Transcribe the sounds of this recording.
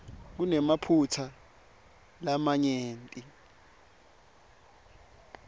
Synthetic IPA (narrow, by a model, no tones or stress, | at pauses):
k̬unɛmapʰutʰa | lamaɲeːntʼi